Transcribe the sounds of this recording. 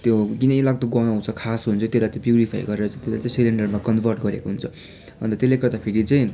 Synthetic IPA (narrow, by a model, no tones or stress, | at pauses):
t̪joɡinʌ̃jlaɡt̪oɡʌnoɦũt͡sʰʌkʰasɦunt͡sʰʌ̃t̪elajt̪jõpjuɾipʰa̰jɡʌɾeɾʌt͡saj̃t̪ela̰jt͡saj̃sileɳɖʌrmakʌnbʱʌrʈ̚ɡʌɾekoɦunt͡sʰʌ | ʌ̰nt̪ʌt̪elːekʌrd̪apʰeɾit͡sʌj̃